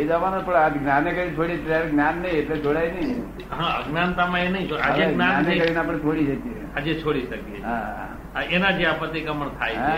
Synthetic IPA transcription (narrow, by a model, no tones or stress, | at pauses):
ed͡ʒəʋanopəɽad̪ɡnanekəɾit͡ʃʰoɽietaɾɡnjanːəieʈled͡ʒʰoɽainəi | ɦãəɡnant̪amãenəĩt͡ʃoad͡ʒeeɡnaanekəɾineap̬əɽ̃et͡ʃʰoɽid͡ʒəkiead͡ʒet͡ʃʰoɽiʃəket͡ʃɦaa | enad͡ʒeapət̪ikəməɳt̪ʰajɦa